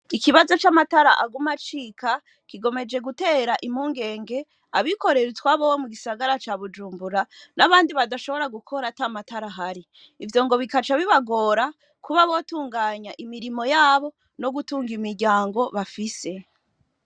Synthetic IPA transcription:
ikiβazo̞t͡ʃamataɾa̰ʔaɡumat͡ʃikʰa | kiɡo̞me̞d͡ʒe̞ɡute̞ːɾaʔimhuːŋɡe̞ːŋɡe̞ | aβiko̞ɾe̞ɾutwaβowomuɡisaɡaɾat͡ʃaβud͡ʒuːmbuɾanaβaːndiβadaʃo̞βo̞ɾaɡukʰo̞ɾatamataɾaɦaɾi | ivjo̞ːŋɡo̞βikat͡ʃaβiβaɡo̞ːɾa | kuβaβo̞tuːŋɡaːɲaʔimiɾimo̞jaːβo̞ | no̞ɡutuːŋɡimiɾɟaːŋɡo̞βafise̞

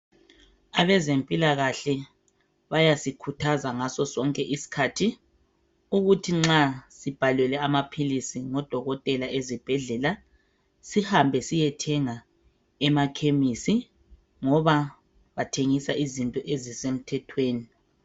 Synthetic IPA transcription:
aβɛzempʼilaɣaɬɛ | βajasikʰutʰazaŋasɔsɔŋkʼɛʔisi̥kʰatʰi | uɣutʰiŋ͡ǁasib̥ʱalwɛlɛamapʰilisiŋɔd̥ʱɔɣɔtʼɛlaʔezib̥ʱɛɮɛla | sihambʱɛsijɛtʰɛŋa | ɛmakʰemisi | ŋɔβa | βatʰeŋisaizintʼɔʔezisem̩tʰɛtʰweːni

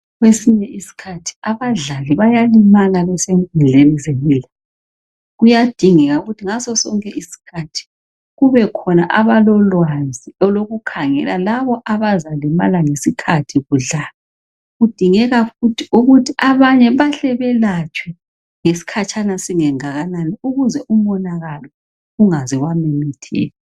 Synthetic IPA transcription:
ɣwesiɲɛʔisi̥kʰatʰi̥aβaɮaliβajalimalaβɛsempund͡ɮʱenizempʼiːla | ɣujad̥ʱiŋɛɣauɣutʰiŋasɔsɔŋkʼɛʔisi̥kʰatʰi̥ | ɣuβɛkʰɔnaʔaβalɔlwazʱiɔloɣukʰaŋɛ̰lalaβɔʔaβazalɛma̰laŋesikʰatʰiɣuɮaːlɔ | ɣud̥ʱiŋɛɣafutʰiuɣutʰiʔaβaɲɛβaɬɛβɛlat͡ʃʰʼwɛ | ŋesi̥kʰat͡ʃʰʼanasiŋɛŋaɣananiuɣuzɛʔum̩ɔnaɣalɔ | uŋazɛɣwamimitʰḭːla

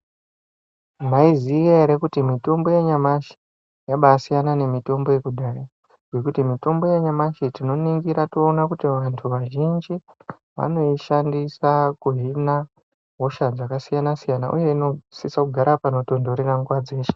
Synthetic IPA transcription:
maizijaeɾekutimito̞mbo̞jeɲamaʃi̥ | jaɓasijanane̞mito̞mbo̞je̞kuɗaːɾa | ɡe̞kutimito̞mbo̞jeɲamaʃitino̞niŋɡiɾatoːnakutiʋantʰuʋaʒind͡ʒi | ʋa̰no̞iʃandisakuɦina | ɦo̞ʃad͡zakasijanasijanaʔṵje̞ino̞sisakuɡʱaɾapano̞to̞ndoɾeraŋɡwad͡zeːʃe̥

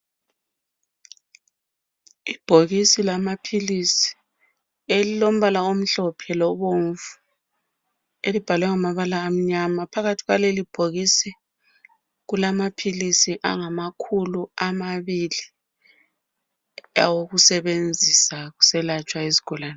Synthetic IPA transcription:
ib̥ʱoɣisilamapʰilisi̥ | elilom̩βalaom̩ɬɔpʰɛlɔβoɱvu | elib̥ʱalwɛŋamaβalaːm̩ɲamapʰaɣatʰiɣwalelib̥ʱoɣisɛ | ɣulamapʰilisiʔa̰ŋamakʰuluamaβili | awoɣusɛβend͡zʱisaɣusɛlat͡ʃʼwaezi̥ɡ̥ʱɔlaːna

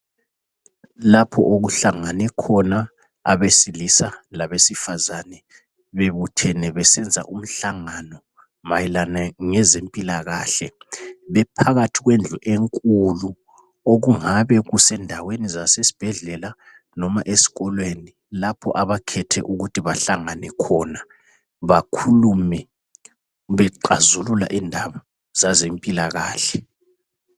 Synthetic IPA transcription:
lapʰɔ̰ʔoɣuɬaŋanɛkʰɔna | a̰βesilisalaβesifazanɛ | βeβutʰɛnɛβɛsɛnd͡zʱa̰ʔum̩ɬaŋanɔ | majɛlanaŋɛzempʼilaɣa̰ːɬɛβɛpʰaɣatʰiɣwend͡ɮʱuʔeŋkʼulu | oɣuŋaβɛɣusɛndʱawenizasesi̥b̥ʱɛɮɛla | nɔmaʔesi̥ɣɔlweni | lapʰɔ̰ʔaβakʰɛtʰɛ̰ʔuɣutʰiβaɬaŋanɛkʰɔːna | βakʰulumɛ | βɛǃa̰zulula̰ʔiːndʱaβɔ | zazempʼilaɣa̰ːɬɛ

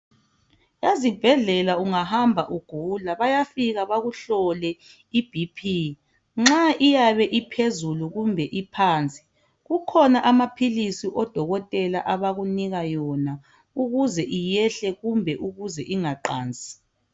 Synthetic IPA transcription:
ezib̥ʱɛɮɛlauŋahambʱaʔuɡ̥ʱulaβajafiɣaβaɣuɬɔlɛ | ib̥ʱipʰi | ŋ͡ǁaʔijaβɛʔipʰezuluɣumbʱɛʔipʰaːnt͡sʼi̥ | ɣukʰɔnaʔamapʰilisiʔɔd̥ʱɔɣɔtʼɛlaʔaβaɣuniɣajɔna | uɣuzɛʔijɛɬɛɣumbʱɛʔuɣuzɛʔiŋaǃa̰ːnd͡zʱʼi̥

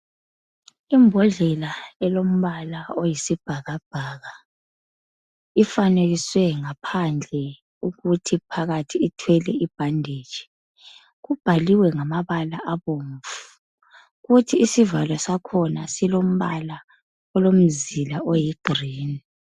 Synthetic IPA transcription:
imbʱɔɮɛlaɛlom̩βalaojisib̥ʱaɣab̥ʱaːɣa | ifaneɣiswɛŋapʰand͡ɮʱɛ | uɣutʰipʰaɣatʰiitʰwɛlɛib̥ʱandʱet͡ʃi̥ | ɣub̥ʱaliwɛŋamaβalaʔaβoɱvu̥ | ɣutʰiisivalɔsakʰɔnasilom̩βala | ɔlom̩zilaʔojiɡ̥ʱriːni

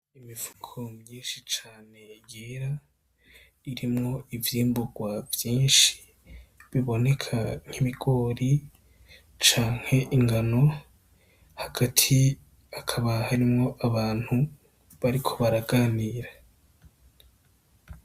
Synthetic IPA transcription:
imiv̥u̥kʰomɲiːnʃit͡ʃaːne̞jeɾa | iɾimŋo̞ivjiːmbuɡwavjiːnʃi̥ | βiβo̞ne̞kʰaŋ̥iβiɡ̥o̞ːɾi | t͡ʃaːŋ̥he̞ʔiŋɡano̞ | haɡ̥atʰi | akʰaβahaɾimŋo̞ʔaβaːn̥hu | βaɾikʰo̞βaɾaɡaːniːɾa

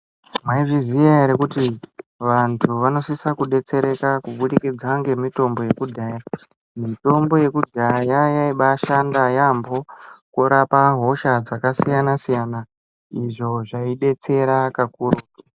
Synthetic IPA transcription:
maiʐizijaɾekutiʋantʰuʋano̞sisakuɗe̞t͡se̞ɾe̞kakuɓuɗikid͡zaŋɡe̞mito̞mbo̞je̞kudʱaːja | mito̞mbo̞je̞kudʱajajaiɓaʃandajambo̞kuɾapaɦo̞ʃad͡zakasijanasijana | iʐo̞ʐaiɗe̞t͡se̞ɾakakuruː

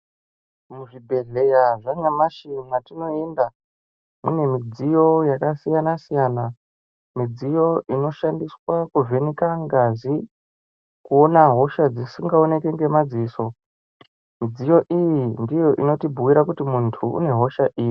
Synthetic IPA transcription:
muʐibʱe̞ɮe̞jaʐaɲamaʃinatino̞enda | mṵne̞mid͡zijo̞jakasijanasijana | mid͡zijo̞ino̞ʃandiswakuve̞nikaŋɡazi | kuo̞naɦo̞ʃad͡zisiŋɡao̞ne̞ke̞ŋɡe̞mad͡ziːso̞ | mid͡zijo̞ʔijindijo̞ʔino̞tibʱuwiɾakutimuntʰuṵne̞ɦo̞ʃaʔiːji

